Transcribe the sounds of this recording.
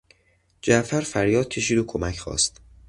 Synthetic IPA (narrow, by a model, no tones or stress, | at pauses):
d͡ʒæʔfæɾfæɾjɒːd̪̥̚cʰe̞ʃiːd̪okʰomæcʰχɒ̰ːst̪